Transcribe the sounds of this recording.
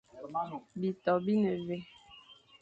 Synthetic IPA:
bi˨tɔ˨bi˦nə˨ve˨

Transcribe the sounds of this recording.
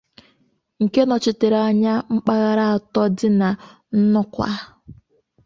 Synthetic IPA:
ŋ̩˨ke˦nɔ˨t͡ʃɪ˨te˨ɾa˨ɲa˦ŋ͡m̩˦k͡pa˦ɣa˦ɾa˦a˨tɔ˦dɪ˦na˨ | n̩˦nʊ˦kʷa̰˦

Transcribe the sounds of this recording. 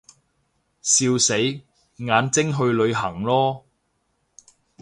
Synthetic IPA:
siː˧wse˨˥j | ŋaː˨˥nt͡sɪ˥ŋɦɵ˧ɥlɵ˨˧ɥɦɐ˨˩ŋlɔː˥

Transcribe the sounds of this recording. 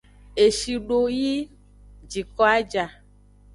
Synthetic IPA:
e˨ʃi˨ɖo˦ji˦ | d͡ʒi˨kɔ˦a˦d͡ʒa˨

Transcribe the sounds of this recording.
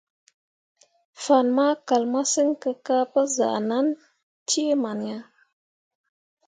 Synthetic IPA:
fa˨nma˦ka˨lma˦sə˦ŋ˦kə˧ka˦pə˦za̰˨ʔna˦n | ti˦e˦ma˨n˨ja˦

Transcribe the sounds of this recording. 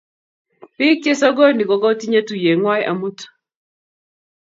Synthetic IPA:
pɪ˦k̚t͡ʃe˦sɔ˦ɡo˦ni˨kɔ˨ɡɔ˦ti˦ɲa˦tu˨je˨ŋwa˦jʔa̰˨mu˦t

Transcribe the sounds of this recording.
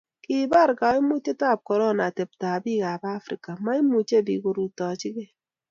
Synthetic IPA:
ki˨ba˦˨ɾka˨˦i˦mu˦t͡ʃe˦ta˦˨p̚kɔ˨ɾɔ˦˨na˨te˨p̚ta˨bi˦˨ɡa˨ba˦fɾi˦ka˨ma˦i˦mu˨t͡ʃe˦˨bi˨ɡo˨ɾu˨tɔ˨t͡ʃɪ˦ɡe˦

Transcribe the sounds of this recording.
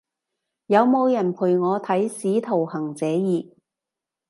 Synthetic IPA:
jɐ˨˧wmo˨˧wjɐ˨˩npʰuː˨˩jŋɔː˨˧t̪ʰɐ˨˥jsiː˨˥t̪ʰo˨˩whɐ˨˩ŋt͡sɛː˨˧jiː˨˩

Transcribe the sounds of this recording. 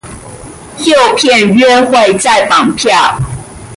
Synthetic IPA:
jjo˥˨ʊpʰjɛ˥˨nɥɛ˥˧xwe˥˨ɪt͡sa˥˧ɪfɑ˥˨ŋpʰjɑ˥˨˩ʊ

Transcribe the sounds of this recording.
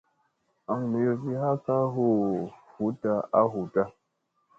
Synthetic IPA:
a˨ŋne˨˦jo˨si˦ha˦ka˦ɦo˦fu˨˦ta˦a˦ɦu˨ta˦

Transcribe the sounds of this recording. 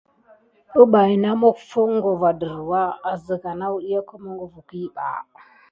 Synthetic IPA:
ə˦ɓa˨i˨na˦mo˦kfə˦ŋ˦ɡo˨va˨də˨ɾwa˦a˨zə˨ka˨na˦u˦i˦ja˦ku˦mu˦ŋɡo˨vu˨ki˦ba̰˨

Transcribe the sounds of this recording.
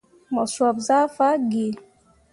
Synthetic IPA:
mɔ˨swɔ˨b̚za˦fa˦ɡe˨

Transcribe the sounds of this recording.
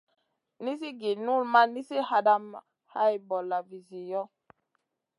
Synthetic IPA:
ni˦s̬i˦ɡi˨nu˦˨lma˦ni˦si˦ha˦da˦m | ha˦i˨bɔ˨la˨vi˨zi˨jɔ˦

